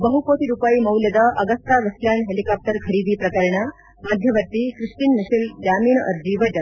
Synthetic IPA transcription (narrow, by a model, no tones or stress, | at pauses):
bəɦukot̪iɾupaiːmɐwljəd̪aʔɐɡəst̪aʋɐsljanɦelikap̚ʈəɾkʰəɾiːd̪iːpɾɐkəɾɳa | mad̪ʱjəʋəɾt̪iːkɾiʂʈiːnːiɕild͡ʑamiːɳə̰ɾd͡ʑiʋəd͡ʑən